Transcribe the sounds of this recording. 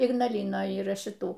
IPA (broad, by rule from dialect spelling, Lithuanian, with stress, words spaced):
ɪɡnɐˈlʲɪnoːj iːˈrɐ ʃʲɪˈtuː